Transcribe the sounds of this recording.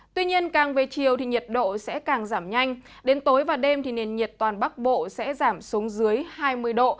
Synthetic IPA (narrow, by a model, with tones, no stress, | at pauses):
t̪wi˧ɲi˧ənkaː˨˩ŋve˨˩t͡ɕi˨˩əwt̪ʰi˨˩ɲi˨˩ət̚ɗo̰˧˨sɛ̰˧˥kaː˨˩ŋzaː˧˩mɲa˧jŋ̟ | ɗe˨˦nt̪o˨˦jvaː˨˩ɗe˧mt̪ʰi˨˩ne˨˩nɲi˨˩ət̚t̪waː˨˩nɓa˦˥k̚ɓo̰˧˨sɛ̰˧˥zaː˧˩msu˨˦əŋzɨ˨˦əjhaː˧jmɨ˧əjɗo̰˧˨